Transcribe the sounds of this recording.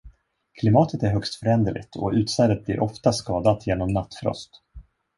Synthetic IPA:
kʰlɪmɑːt̪ʰət̪æɾɦœkst̪fœɾɛnd̪əɭɪ̰ɡt̪ʰɔ̰ʉ̟ːt̪sæɾət̪̚blḭɾʔɔft̪askɑːd̪at̪jeːnɔmnat̪ːfɾɔ̰st̪

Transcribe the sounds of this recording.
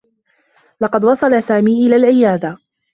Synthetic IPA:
lɑqɑd̪wɑsˤɑlasaːmiːʔɪlaːlʕɪjaːd̪a

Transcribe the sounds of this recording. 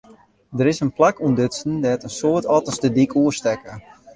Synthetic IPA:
dəɾɪsənplakumdøtsən̩dɛtənsoətɔtəstədikuəstɛkə

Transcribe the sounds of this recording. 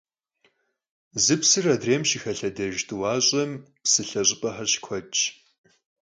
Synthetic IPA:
zɨpsɨrɐdreːmʃixɐɬɐdɐʒtʰʼɨwɑːɕʼɐm | psɨɬɐɕʼɪpʼɐħɐrɕkʷʰɔt͡ʃʼ

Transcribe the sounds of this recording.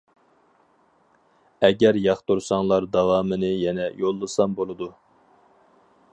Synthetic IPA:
ɛɡʲɛɾjɑχt̪uɾsɑŋlˠɑɾd̪ɑwɑːmɨnɨjɛnɛjolˠːɨsɑmbolˠɨd̪u

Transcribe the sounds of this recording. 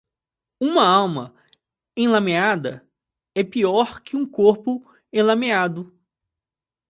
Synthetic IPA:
ũmɐawmɐ | ẽlamẽad̪ɐ̰ | ɛpiɔɾkɪũkoɾpʊ | ẽlamead̪ʊ

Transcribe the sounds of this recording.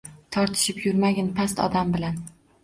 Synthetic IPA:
t̪ʰɒɾt̪ʰɪ̥ʃɪpjʊɾmaɡʲanpʰast̪ɒ̰d̪ambɪlan

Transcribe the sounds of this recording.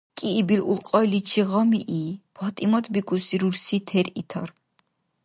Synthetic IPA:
kʼiːbilulqʼɔjlit͡ʃʰiʁɔmiʔipʰɔt̪ʼimɔt̪ʰbikʼusiɾuɾsit̪ʰɛɾit̪ʰɔ̰ɾ

